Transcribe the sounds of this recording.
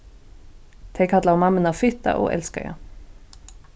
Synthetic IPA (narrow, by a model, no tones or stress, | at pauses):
t̪ʰɛkʰat̪laɔmɑmənɑfʏt̪ːa̰ʔo̰ːʔɛ̰lskə̰ja̰